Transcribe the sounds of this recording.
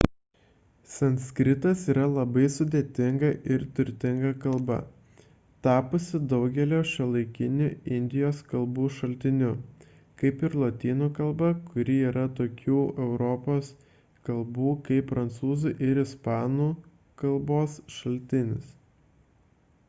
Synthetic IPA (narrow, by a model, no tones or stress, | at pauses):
sɛnʲsʲkɾʲɪt̪ɐsiːɾɐlˠɐbɐɪsʊd̪ʲeːt̪ʲɪŋɡɐʔɪɾt̪ʊɾʲt̪ʲɪŋɡɐkɐlˠbɐ̰ | t̪ɑːpʊsʲɪd̪ɒʊɡʲɛlʲoːʃɐlˠɐɪkʲɪnʲʊɪnʲd̪ʲɪjoːskɐlˠbuːʃɐlʲt̪ʲɪnʲʊ | kɐɪpɪɾlˠoːt̪ʲiːnuːkɐlˠbɐkʊɾʲiiːɾɐt̪oːkʲuːɛʊɾɔpoːs | kɐlˠbuːkɐɪpːɾɐnt̪suːzuʔɪɾɪspɑːnuː | kɐlˠboːsʃɐlʲt̪ʲɪnʲɪs